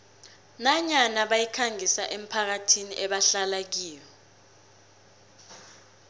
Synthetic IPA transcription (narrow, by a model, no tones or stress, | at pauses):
naɲanaɓajikʰaŋisaʔem̩pʰak̬atʰiniʔɛɓaɬalak̬iːjɔ